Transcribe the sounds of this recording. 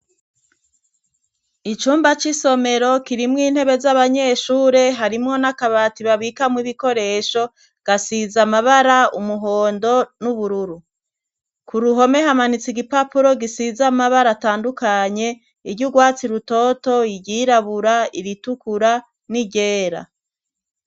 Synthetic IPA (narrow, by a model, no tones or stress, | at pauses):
it͡ʃuːmbat͡ʃiso̞me̞ɾo̞kiɾimŋiːn̥he̞βe̞zaβaɲe̞ːʃuːɾe̞ɦaɾimŋo̞nakaβatiβaβikamŋiβiko̞ɾe̞ʃo̞ | ɡ̥asizamaβaɾaumuɦo̞ːndo̞nuβuɾuɾu | kuɾuɦo̞me̞ɦamanit͡siɡipapuɾo̞ɡisizamaβaɾataːndukaɲe̞ | iɾɟuɡwaːt͡siɾuto̞to̞iɟiɾaβuɾaiɾitukuɾa | niɟe̞ːɾa̰